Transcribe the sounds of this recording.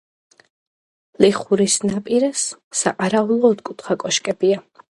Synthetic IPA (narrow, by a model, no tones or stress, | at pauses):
liχuɾisnapʼiɾɛssa̰qʼaɾaulˠɔːd̪kʼut̪ʰχakʼɔʃkʼɛbia